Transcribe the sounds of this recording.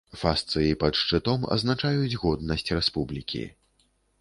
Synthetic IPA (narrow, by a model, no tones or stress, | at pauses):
fast̪sɨjipɐt̪ʂt͡ʂɨt̪ɔmɐ̰znat͡ʂajud͡zʲɣɔd̪nɐsʲt͡sʲrɛspublʲikʲḭ